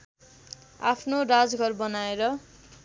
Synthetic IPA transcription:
a̰pʰnorad͡zɡʱʌrbʌnaeɾʌ

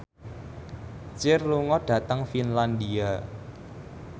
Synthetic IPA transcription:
t͡ʃɪrluŋɔɖ̥ä̤t̪əŋfinland̪ia

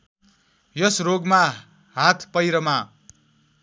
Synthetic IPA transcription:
jʌsroɡma | ɦat̪ʰpʌjɾʌma

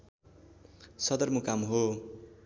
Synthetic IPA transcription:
sʌd̪ʌrmukamɦo

